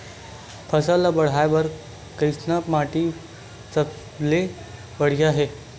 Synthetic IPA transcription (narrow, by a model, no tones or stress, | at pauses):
pʰəsalabəɽ̤ajʋəɾ | kəjsnapmaʈiː | t͡sə | le | bəɽ̤iaɦe